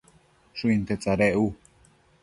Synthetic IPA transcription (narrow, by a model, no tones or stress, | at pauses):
ʃuint̪et͡saɾeʔu